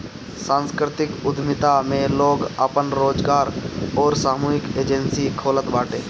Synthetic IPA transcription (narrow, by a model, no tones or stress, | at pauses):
sãːnskɾɪt̪ɪkʊd̪ʱmɪt̪amẽloːɡəpənɾoːd͡ʒɡaːɾɔːɾsaːmuːɦɪkeːd͡ʒənsikʰoːlət̪baːʈẽː